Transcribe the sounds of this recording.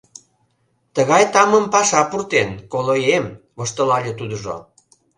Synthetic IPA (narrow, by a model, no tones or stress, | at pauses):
t̪əɣɑjt̪ɑməmpɑʃɑpurt̪enkolojem | βoʃt̪əlɑlʲet̪ud̪əʒo̰